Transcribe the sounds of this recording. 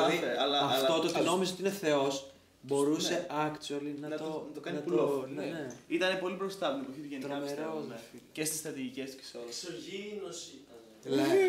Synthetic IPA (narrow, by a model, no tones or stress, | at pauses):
ieɐlɐɐtt̪ot̪oot̪ino̞mizeot̪ineθe̞o̞s | bo̞ɾuseɐkt̪olinɐnɐt̪ot̪okɐnnuloneeit̪ɐnepo̞lipɾo̞st̪ɐt̪ipɐçit̪uʝenikɐmeɾoece̞st̪ist̪ɾɐt̪iʝice̞st̪u̥ki̥soi̥soʝinosit̪n | ne